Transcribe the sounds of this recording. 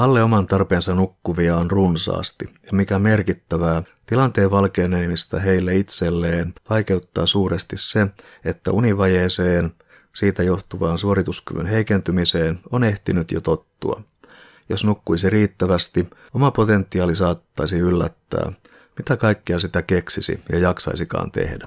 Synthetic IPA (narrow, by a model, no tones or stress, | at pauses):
ɑlːeomɑnt̪ɑrpe̞ːnsɑnukːuʋiɑonrunsɑ̰ːst̪ijɑmikæme̞rkit̪ːæʋæː | t̪ilɑnt̪e̞ːʋʋɑlke̞ːneːmist̪ɑɦeilːeit̪se̞lːeːnʋɑjke̞ut̪ːɑːsuːɾest̪isse̞ | e̞t̪ːæ̰uniʋɑjeːseːn | siːt̪æjo̞ht̪uʋɑːnsuoɾit̪usky̰ʋy̰nɦe̞ikent̪ymiseːnone̞ht̪inyt̪jot̪o̞t̪ːṵɑ̰ | josnukːuisiriːt̪ːæʋæst̪i | omɑpo̞t̪e̞nt̪ːiɑːlisɑːt̪ːɑisiylːæ̰t̪ːæ̰ː | mit̪ækɑikːiɑs̬it̪æke̞ksisḭjɑ̰jɑksɑ̰isikɑ̰ːnt̪e̞̰hdæ